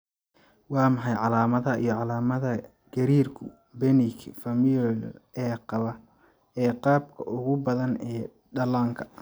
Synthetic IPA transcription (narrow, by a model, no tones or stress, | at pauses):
wɑːmɐħɑjʕɑlaːmɐðɐʔijɞʕɑlaːmɐðɐ | ɡ̥ɐɾiːrkʰʊ | bɛnɪkʰfɐmjɔlɛːqɑβɐ | ɛːqɑːbkʰɐʔʊɣʊbɐðɐnɛː | ɖɐlaːŋkʰɐ̥